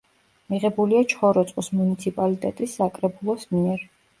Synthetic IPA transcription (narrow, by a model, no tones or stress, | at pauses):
miʁɛbuliat͡ʃʰχɔɾɔt̪sʼqʼɔsmunit̪sʰipʼalit̪ʼɛt̪ʼisːakʼɾɛbulˠɔsmiɛɾ